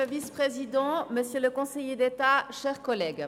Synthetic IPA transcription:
əvispχezid̪ɑ̃məsjøləkɔ̃sejed̪et̪aʃɛʁkɔlɛɡ

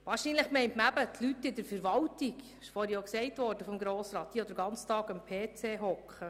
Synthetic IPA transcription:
ʋɑːɾʃiːnləχmɛɪntməæbətʰlyt̪ːɪdəɾfəɾʋɑltiɡ | ɪʃfoɾjoksɛɪtʋɔɾd̥əfɔmɡɾoːsɾɑːt̪̚diːod̪əɾɡɑnt͡stɑːɡəmpʰeːt͡seːɦɔkχə

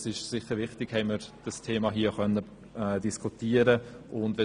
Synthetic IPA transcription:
sɪʃsɪχːəɾʋɪχtɪɡ̥hɛɪməɾd̥əstʰeːmɑɦiːəχœnːə | ɛːdiskʰutiəɾəʔʊndʋɛ

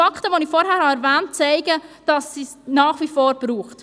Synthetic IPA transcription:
ɑkχtəʋɔnifɔɾɦæːɾhɑɛɾvæːnt̚t͡sɛɪɡəd̥ɑsːisnɑːχʋifɔːɾb̥ɾuːχt

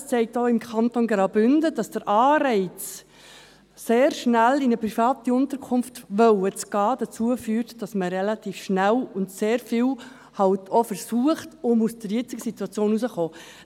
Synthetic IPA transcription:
st͡sɛɪk̚toɪmkʰɑntonɡɾɑbʏndəd̥ɑsd̥əɾʔɑːɾɛɪt͡s | seːɾʃnælinəpɾifɑːtiʊntəɾkʰʊnftʋœwət͡sɡ̥ɑːd̥ət͡suəfyːɾtd̥ɑsməɾɛlɑt̪iːfʃnælʊntseːɾfiːw | hɑltʰɔfəɾsuəχtʊmusd̥əɾjɪt͡sɪɡəsituɑt͡sjoːnusəχoː

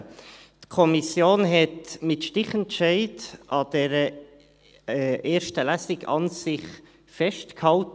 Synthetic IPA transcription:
tkʰɔmisjoːnɦɛtmɪtʃtɪχɛntʃɛɪdʔɑd̥ɛɾə | ʔeːɾʃtəlæsɪɡɑ̰nsɪχ | fɛʃtkhɑlt

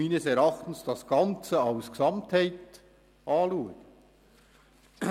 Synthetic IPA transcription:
iːnəsɛɾɑχtn̩sd̥ɑsɡ̥ɑnt͡səɑʊsksɑmthæɪt | ʔɑːluːɡ

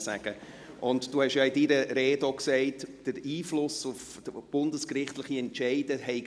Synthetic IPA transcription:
sæ̰ɡ̥ə | ʔʊntd̥uːhɛʃjɑɪdiɾəɾeːdoksɛɪtd̥əɾiːflʊsʊf | b̥ʊndəskɾɪχtlɪχiɛntt͡ʃɛɪd̥əɦɛɪ

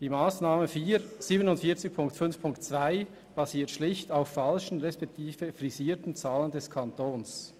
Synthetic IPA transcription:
d̥iːmaːsnaːməfiːz̥iːbənʊntfiːɐt͡sɪç̚pʰʊŋktfʏnfpʰʊŋktt͡sv̥aɪ | b̥aziːɐtʃlɪçtaʊfːalʃn̩ʁɛspɛk̚tʰiːvəfʁiziːtn̩t͡saːləndɛskʰantoːns

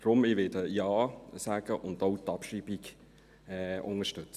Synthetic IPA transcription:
d̥ɾʊmiʋɪdəjɑːsaːɡ̥əʔʊndowtɑpʃiːb̥ik | ɛʊŋəʃtʉt͡sə

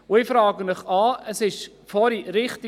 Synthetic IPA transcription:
ʊɪfɾɑːɡəmɪχɑːəsɪʃ | fɔɾiɾɪχtɪ

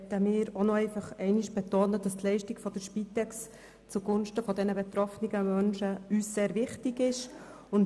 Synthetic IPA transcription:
təmɪːɾonɔɛɪfɑχɛɪnɪʃb̥ɛtoːnəd̥ɑstlɛɪʃtɪɡfɔd̥əɾʃpiːtɛks | t͡suɡʊnʃtəfɔdɛnəbɛt̪ɾɔfniɡəmœnʃəyːsseːɾvɪχtɪɡɪʃ | ʊn

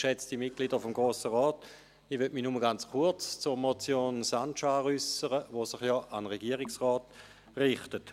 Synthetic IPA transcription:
ʃɛt͡stimit̚kliːdəfomɡʁoːsəʁɔːt | iʋøtminuməɡant͡sχuɐt͡st͡sʊʁmot͡sjoːnsanʃaːʁysəʁəʋosiχjɔːʔanʁeɡiəʁɪksʁɔːt | ʁɪχtət

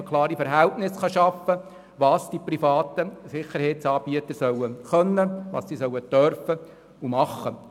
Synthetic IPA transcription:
kʰlɑːɾifɛɾɦɛltnɪsχɑʃɑfə | ʋɑːsd̥iprifɑːt̪əsɪχːəɾhɛɪtsɑːb̥iət̪əsœwəχœnːəʋɑ̰ːssisœwətœɾfə | umɑχːə

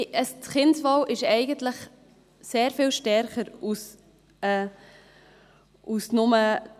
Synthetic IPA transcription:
əst͡sχɪnsʋɔwʔɪʃɛɪɡənt̪ləχ | seːɾfiːlʃtɛɾχəɾus | ɛː | usnʊmə

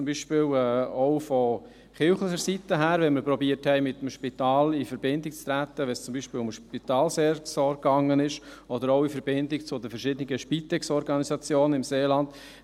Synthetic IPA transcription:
t͡sʊmbiʃpɪːlɛːɔʊfɔ | χɪlχləχəɾsitːəɦæːɾʋɛnməɾpɾɔbiəthɛɪmɪt̪ːəmʃpit̪ɑːlifəɾbɪndɪk̚t͡st̪ɾæt̪ːəʋɛnst͡sʊmbiʃpɪːlʊmʃpit̪ɑːlsɛɾsɔːɾkɑŋːənɪʃ | ɔd̪əɾoʊifəɾbɪndɪkt͡sʊdəfəɾʃɪd̪ənɪɡəʃpit̪ɛksɔɾɡɑnisɑt͡sjoːnənɪmseːlɑnd̥̪

